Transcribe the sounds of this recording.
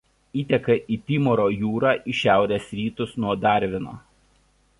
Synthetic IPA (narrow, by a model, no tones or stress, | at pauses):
iːt̪ʲɛkɐʔiːt̪ʲiːmɔɾoːjuːɾɑːʔiʃʲæˑʊɾʲeːsɾʲiːt̪ʊsnuɔd̪ɑˑɾʲʋʲɪno̰ː